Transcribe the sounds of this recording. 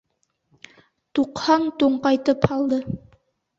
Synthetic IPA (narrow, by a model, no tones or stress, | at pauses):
t̪uqhɑnt̪uɴqɑjt̪ɤphɑlˠd̪ɤ